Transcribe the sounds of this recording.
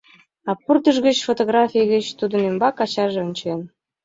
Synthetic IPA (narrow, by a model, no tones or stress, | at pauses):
ɑpːurt̪əʒɣə̆t͡ɕfot̪oɣrɑfʲijɣə̆t͡ɕt̪ud̪ə̆nembɑkɑt͡ɕɑʒĕonʲt͡ɕen